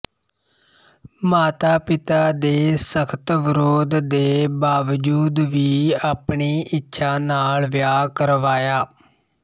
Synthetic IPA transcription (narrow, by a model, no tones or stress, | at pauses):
maːt̪aːpɪt̪aːd̪eːsəkʰt̪ʋɪɾoːd̪d̪eːbaːʋəd͡ʒuːd̪ʋiːaːpɳiːʔɪtːʃʰaːnaːlʋjaːkəɾʋaːjaː